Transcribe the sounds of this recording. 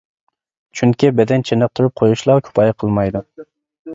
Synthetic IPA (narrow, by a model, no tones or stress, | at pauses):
t͡ʃʰyŋkʲibɛd̪ɛnt͡ʃʰenɨp̚t̪ʰuɾup̚qʰojuʃlˠɑkʲʰy̥pʰɑjqʰəlˠmɑjd̪u